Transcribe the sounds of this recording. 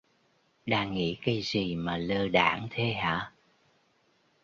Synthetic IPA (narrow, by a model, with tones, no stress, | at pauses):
ɗaː˧ŋŋḭ˧˥ka˧jzi˨˩maː˨˩ləː˧ɗa̰ː˧˩˦ŋt̪ʰe˧ɦa̰ː˧˥